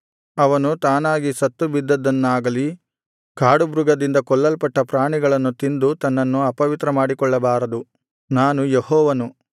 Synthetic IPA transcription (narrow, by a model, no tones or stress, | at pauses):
ɐʋɐnut̪aːnaːɡisɐt̪ːubid̪ːɐd̪ːɐnːaːɡɐli | kaːɽubɾuɡɐd̪ind̪ɐkɔɭːɐlpɐʈːɐpɾaːɳiɡɐɭɐnːut̪ind̪ut̪ɐnːɐnːuɐpɐʋit̪ɾɐmaːɽikɔɭːɐbaːɾɐd̪u | naːnujehɔːʋɐnu